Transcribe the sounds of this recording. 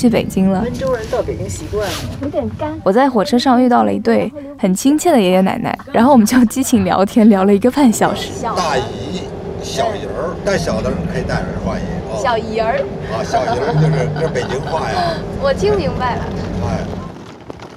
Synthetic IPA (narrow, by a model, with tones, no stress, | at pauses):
t͡ɕʰy˥˩pe˨˩ɪt͡ɕi˥ŋlə˨ə˥nʈ͡ʂo˥ŋɻə˧˥nt͡sɑ˥˩pe˨˩ɪt͡ɕi˥ŋɕi˧˥kwa˥˩ni˧˥t̪ɛ˨˩nka˥nwɔ˨˩t͡sa˥˩ɪxwɔ˨˩ʈ͡ʂʰɤ˥ʂɑ˥˧ŋy˥˧t̪ɑ˥˩ʊlə̰˨˩ḭ˧˥t̪we˥˩ɪ | xə˨˩nt͡ɕʰi˥ŋt͡ɕʰjɛ˥˩nd̪ə˩jɛ˧˥jɛ˧˥na̰˧˩˥ɪna̰˥˩ɪɻa̰˧˥nxo˥˩wɔ˨˩m˦˥t͡ɕjt͡ɕi˥t͡ɕʰi˧˩ŋljɑ̰˧˥ʊt̪ʰjɛ˥nljɑ˧˥ʊlə˧i˧˥ɡə˧fa˥˩nɕjɑ˨˩ʊʂɻ̩˧˥˨t̪a˥˩i˧˥ | ɕjɑ˨˩ʊi˨˩ə˧˥t̪a˥˩ɪɕjɑ˨˩ʊd̪ə˦ɻə˧˥nkʰə˧˥i˨˩t̪a˥˩ə̰˞˧˥xwa̰˥˩i˧˥ɕjɑ˨˩ʊi˧˩ə˞˧˥ɐ˥˧ɕjɑ˨˩ʊi˧˨˩ə˧t͡ɕjo˥˧ʊʂɻ̩˥˩ʈ͡ʂə˥˧pe˨˩ɪt͡ɕi˥ŋxwa˥˩ja˩wɔ˨˩t͡ɕʰi˥ŋmi˧˥ŋba˥˧ɪlə̰˨˩e˥˩ɪ